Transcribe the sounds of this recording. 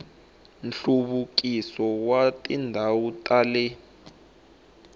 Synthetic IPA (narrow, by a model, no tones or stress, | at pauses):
nɬuβuk̬ʼisɔwatʼindʱawutʼalɛ